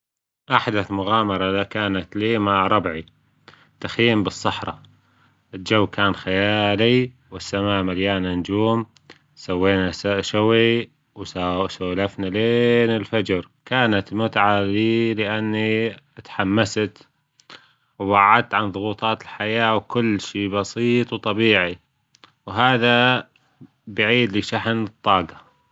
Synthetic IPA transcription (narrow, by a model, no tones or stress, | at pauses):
ʔaħd̪aθmʊɣaːmɑɾˤɑlakaːnat̪liːmaʕɾˤɑbʕi | t̪axiːmbɨsˤːɑħɾˤɑ̰ | ʔɪld͡ʒawːkaːnxajaːli | wɪsːamaːʔmaljaːnand͡ʒuːm | sawːeːnasʃʊwi | wsaːlafnaleːnɪlfad͡ʒɾ | kaːnat̪lmʊt̪ʕaliːlɪʔanːit̪ħamːast̪ | wwaʕːad̪̚t̪ʕanðˤʊɣuːt̪ˤɑːt̪ɪlħajaːwkʊlːʃiːbɑsiːt̪ˤwt̪ˤɑbiːʕi | wɦaːða | bɪʕiːd̪lɪʃaħnɨt̪ˤːɑːɡɑ